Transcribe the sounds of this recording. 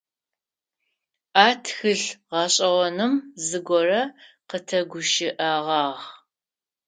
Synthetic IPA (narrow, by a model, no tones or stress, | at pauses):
aːtʰxɨɬʁɑːɕʼɐʁʷɔnɨmzɨɡʷɔrɐqətʰɐɡʷʊʃɪʔaːʁɑːʁ